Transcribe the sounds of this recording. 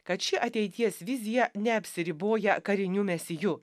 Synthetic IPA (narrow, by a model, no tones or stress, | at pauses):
kɐt̪ʃʲɪʔɐt̪ʲɛɪt̪ʲiɛsʋʲɪzʲɪjɛnʲɛɐpʲsʲɪɾʲɪboːjɛkɐɾʲɪnʲʊmʲɛsʲɪjʊ